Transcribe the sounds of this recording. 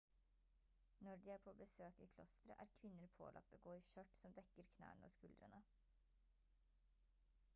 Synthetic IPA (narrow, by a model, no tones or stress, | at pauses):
nɔɖiːæːɾpʰoːbəsøːkḭːkʰlɔst̪ɾə̰ʔæːɾkʰʋɪnːəɾpʰo̰ːlʔɑ̰k̚t̪oːɡoːiːçœʈsɔmd̪ɛkːəɾkʰnæ̰ːɳəo̰ːskʉld̪ɾənə